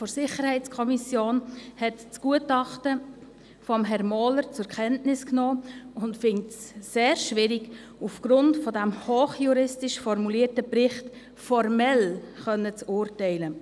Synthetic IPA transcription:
fɔɾsɪχəɾhɛɪt͡skʰɔmisjoːnhɛtt͡sɡ̥uətɑχtə | fɔmɦɛɾmɔːləɾt͡sʊkʰɛntnɪsknoːʊntfɪŋtsseːɾʃʋɪɾɪɡ | ufɡ̥ɾʊntfɔdæmhoːχjuɾɪstɪʃfɔrmuliːətəbɾɪχt | fɔɾmɛl | χœnːət͡sʊrtɛɪlə

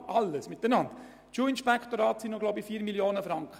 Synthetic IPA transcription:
ɑlːəsmɪt̪ənɑnd̥ | t͡ʃuːɪnʃpɛkχt̪oɾɑːt̪sinnoɡloʊbifiːɾmiljoːnəfɾɑŋkχə

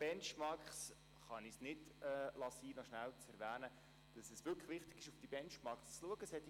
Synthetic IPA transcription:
b̥ɛnt͡ʃmɑɾks | χɑnɪsnɪdɛlɑsiːnɔʃnælt͡sɛɾʋæːnə | d̥ɑsɛsʋʏɾkʰə̥χʋɪχtɪɡ̥ɪʃʊfd̥ibɛnt͡ʃmɑɹkst͡sluəɡəshɛt̪

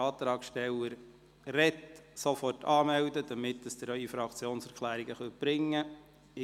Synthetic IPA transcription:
ɑːt̪ɾɑːkʃtɛləɾ | rɛtsofɔrtʰɑːmɛwdəd̥̪ɑmɪtd̥əsd̥̪əɾœifɾɑkt͡sjoːnsɛɾkʰlæːɾiɡəχœt̚b̥ɾɪŋːə | ɪ

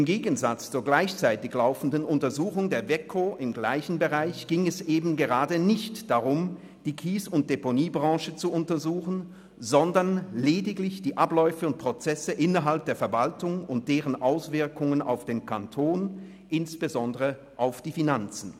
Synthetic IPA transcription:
ʔɪmɡeːɡn̩zat͡st͡suːɐɡlaɪçt͡saɪtɪçlaʊfn̩dənʊntɐzuːxʊŋdeːɐvɛkʰoʔɪmɡlaɪçn̩bəʁaɪçɡ̥ɪŋɛsʔeːbm̩ɡəʁaːdənɪçtd̥aʁʊm | d̥iːkʰiːsʊnt̚d̥eponiːbʁɑ̃ːʃət͡suʊntɐzuːxn̩ | zɔndɐɐnleːdɪklɪçd̥iːʔaplɔʏfəʊnt̚pʁ̥ot͡sɛsəʔɪnɐɦalp̚d̥eːɐfɛɐvaltʊŋʊnt̚d̥eːʁənʔaʊsv̥ɪɐkʊŋəna̰ʊfd̥eːnkʰantʰoːn | ʔɪnsb̥əzɔndəʁə | ʔaʊfd̥iːfinant͡sn̩

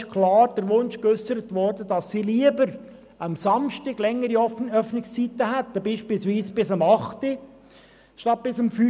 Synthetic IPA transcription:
ʃkʰlɑːɾd̥əɾʋʊnt͡ʃkʏsːəɾətʋɔɾdəd̥ɑsːiːliəbəɾ | ɑmsɑmʃtɪɡ̥lɛŋːəɾiɔœfnɪkst͡sitəɦæt̪ːəbiːʃpiːlsʋiːsb̥ɪsɑmɑχti | ʃtɑt̚b̥ɪsɑmfy

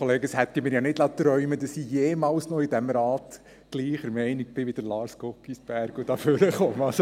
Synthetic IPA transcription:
oleːɡəshɛt̪ːimɪːɾjɑnɪdlɑt̪ɾœʏməd̥̪ɑsijeːmɑːlsnɔɪd̪æmɾɑːt | ɡ̥liːχəɾmɛɪnik̚b̥ɪʋɪd̥əɾlɑːɾskɔkːisb̥æɾɡ̥udɑføɾəχɔmɑso

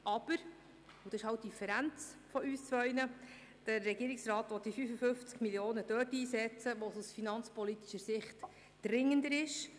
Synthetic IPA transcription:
ʔɑb̥əɾ | ud̥̪ɑsɪʃhɑwt̚d̥ifɛɾænt͡sfɔyːst͡sʋœʏnə | d̥əɾːɛɡiːɾiksrɑːt̪ʋɔt̪̚d̥ifyːfəfʏft͡skmiljoːnəd̥œːtiːsɛt͡səʋɔsusfinɑnt͡spɔlit̪iʃəsɪχt | d̥ɾɪŋəndəɾɪʃ

